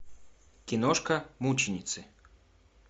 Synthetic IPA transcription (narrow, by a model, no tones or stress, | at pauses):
kʲɪnɔʂkɐmut͡ɕɪnʲɪt̪sɨ